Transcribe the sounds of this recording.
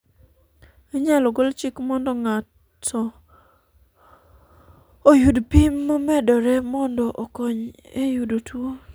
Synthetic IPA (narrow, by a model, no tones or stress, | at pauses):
aɲaloɡolt͡ʃikmɔndɔŋatʰ | ɔ | ojudpimːamɛdɔɾɛmɔndɔʔɔkɔɲ | ejudotwo